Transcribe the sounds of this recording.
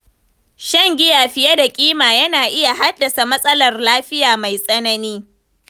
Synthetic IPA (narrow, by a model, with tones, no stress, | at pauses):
ʃɐ˦ŋɡʲɪ˦jaː˨ɸɪ˦ja˦da˨kʲʼiː˦maː˨jɐ˦naː˨ʔɪ˦ja˨ɦa˦dːɐ˨sa˨mɐ˦sʼɐ˦lɐ˨rlaː˦ɸɪ˦jaː˨ma˨jsʼɐ˦nɐ˦niː˦